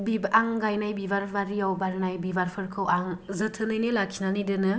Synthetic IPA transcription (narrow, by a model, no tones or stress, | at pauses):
bibʔaŋɡajnajbibaɾbʰaɾijawbaɾnajbibaɾpʰɯɾkʰɯwaŋzɯtʰɯnɯjnɯlakʰinanidɯnɯ